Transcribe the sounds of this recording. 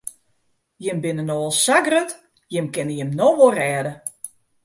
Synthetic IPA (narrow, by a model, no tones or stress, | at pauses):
jɪmbɪnənɔːlˠsaɡrət | jɪmkɪnəjɪmnɔʋorɛːdə